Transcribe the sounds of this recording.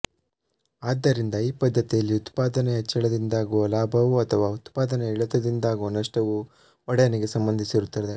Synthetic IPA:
aːd̪ːɐɾind̪ɐiːpɐd̪ʱːɐt̪ijɐlːiut̪paːd̪ɐneɦɛt͡ʃːɐɭɐd̪ind̪aːɡuʋɐlaːbʱɐʋuɐt̪ʰɐʋaːut̪paːd̪ɐneiɭɐt̪ɐd̪ind̪aːɡuʋɐnɐʂʈɐʋu | ɔɽɛjɐnɛɡe̞sɐmbɐnd̪ʱisiɾut̪ːɐɾd̪e

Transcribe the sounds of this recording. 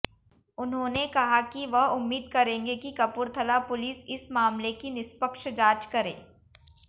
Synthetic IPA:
ʊnɦõːnekɐɦakiʋɐɦʊmːiːd̪̚kɐɾẽːŋɡekikɐpuːɾt̪ʰɐlapʊliːsɪsmaːmlekinɪspəkʃd͡ʒaːt͡ʃkɐɾḛ̃ː

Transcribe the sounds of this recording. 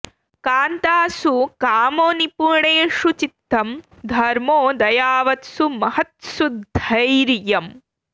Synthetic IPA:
kaːnt̪aːsukaːmoːnipuɳeːʂut͡ʃit̪ːɐm | d̪ʱɐɾmoːd̪ɐjaːʋɐt̪sumɐhɐt̪sud̪ʱɐjɾjɐm

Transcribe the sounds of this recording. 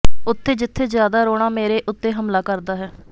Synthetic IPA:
ʊt̪ʰːeːd͡ʒɪt̪ʰːeːzjaːd̪aːɾoːɽ̃aːmeːɾeːʔʊt̪ːeːɦəmlaːkəɾd̪aːɦɛː

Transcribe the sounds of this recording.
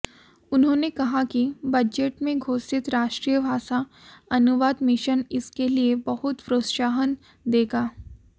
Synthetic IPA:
ʊnɦõːnekɐɦakibɐd͡ʒeʈmẽɡʱoːsɪt̪ɾaːʃʈɾijəbʱaːʃaɐnʊʋaːd̪mɪʃənɪskeliebɐɦʊt̪pɾoːt̪ʃaːɦən | d̪eːɡaː

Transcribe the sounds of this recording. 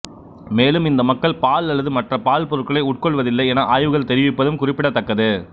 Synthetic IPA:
meːlɯmɪnd̪ɐmɐkːɐɭpaːlɐɭːɐðɯmɐʈrɐpaːlpɔɾɯʈkːɐɭɐɪʊʈ̚kɔɭʋɐðɪlːɐɪeːnaʔaːjʋɯɣɐɭt̪ɛɾɪʋɪpːɐðɯmkʊrɪpːɪɽɐt̪ːɐkːɐðɯ

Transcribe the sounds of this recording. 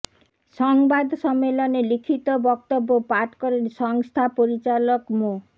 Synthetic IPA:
sɔŋbad̪sɔmelɔnelikʰit̪ɔbɔkt̪ɔbːopaʈkɔɾesɔŋst̪ʰapoɾit͡ʃalɔkmo

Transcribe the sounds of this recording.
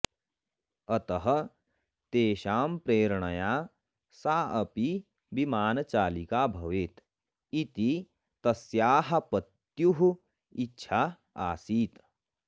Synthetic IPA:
ɐt̪ɐɦɐ̆ | t̪eːʃaːmpɾeːɾɳɐjaː | saːɐpi | bimaːnɐt͡ʃaːlikaːbʱɐʋeːt̪ | it̪i | t̪ɐsjaːɦɐ̆pɐt̪ | juɦu | itːʃʰaː | a̰ːsiːt̪

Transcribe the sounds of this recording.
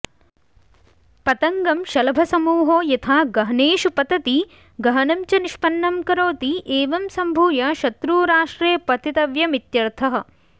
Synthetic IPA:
pɐt̪ɐŋɡɐmʃɐlɐbʱɐsɐmuːɦoːjɐt̪ʰaːɡɐɦɐneːʃupɐt̪ɐt̪i | ɡɐɦɐnɐmt͡ʃɐniʃpɐnːɐmkɐɾoːt̪iʔeːʋɐmsɐmbʱuːjɐʃɐt̪ɾuːɾaːʂʈɾeːpɐt̪ʰit̪ɐʋjɐmit̪jɐɾt̪ʰɐɦɐ̆

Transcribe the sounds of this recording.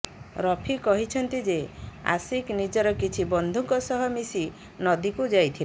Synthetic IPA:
ɾɔpʰikɔɦit͡ʃʰɔnt̪id͡ʒea̰siknid͡ʒɔɾɔkit͡ʃʰibɔnd̪ʱuŋkɔsɔɦɔmisi | nɔd̪ikud͡ʒajt̪ʰila

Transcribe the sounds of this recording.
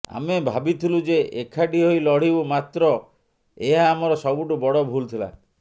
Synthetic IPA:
a̰mebʱabit̪ʰilud͡ʒeʔekʰaʈiɦojlɔɽ̤ibumat̪ɾɔ | eɦaːmɔɾɔsɔbuʈubɔɽɔbʱult̪ʰila̰

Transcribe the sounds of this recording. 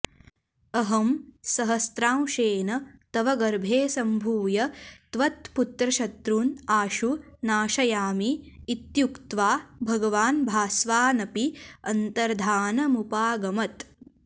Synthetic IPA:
ɐɦɐmsɐɦɐst̪ɾaːmʃeːnɐt̪ɐʋɐɡɐɾbʱeːsɐmbʱuːjɐt̪ʋɐt̪̚put̪ɾɐʃɐt̪ɾuːnaːʃuːaːʃɐjaːmiːt̪jukt̪ʋaːbʱɐɡɐʋaːnbʱaːsʋaːnɐpiɐnt̪ɐɾd̪ʱaːnɐmupaːɡɐmɐt̪

